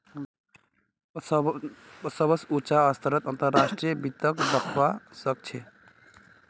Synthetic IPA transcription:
səbəsut͡ʃaəst̪ʰəɾət̪ənt̪əɾːasʈɾijəbit̪əkd̪əkʰʋasək̚t͡ʃʰɛ

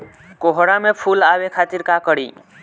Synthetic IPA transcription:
koɦɽamepʰulawekʰat̪iɾkakəɽi

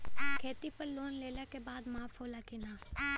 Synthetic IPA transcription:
kʰeːt̪ipəɾloːnleːlekebaːd̪maːfɦoːlakinaː

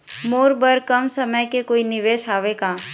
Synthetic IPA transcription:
moːɾbəɾkəmsəməjkekoːinɪʋeːʃaːʋeɡaː

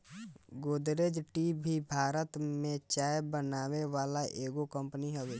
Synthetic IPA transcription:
ɡoːd̪ɾeːd͡ʒʈibʱibʱaːɾət̪mẽt͡ʃaːjbənaːweʋaːlaʔeːɡokə̃mpəniɦoːʋe

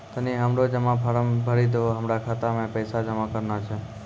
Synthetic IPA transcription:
t̪əniɦəmɾod͡ʒəmãpʰəɾəmbʱəɾid̪ooɦəmɾakʰat̪amẽpəjsad͡ʒəmãkəɾnat͡ʃʰe

